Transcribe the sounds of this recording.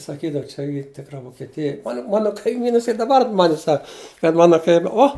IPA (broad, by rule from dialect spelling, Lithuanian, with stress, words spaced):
sɐˈkʲiːdɐʋʊ t͡ʃʲɛ ˈiː ˈtʲɪkrɐ ʋoːkʲɛˈtʲɪjɛ mɐ ˈmɑːnoː kɐɪˈmʲiːnɐs ɪr dɐˈbɐr ɐn ˈmɑːnʲɪs ˈsɐk kɐt ˈmɑːnoː ˈoː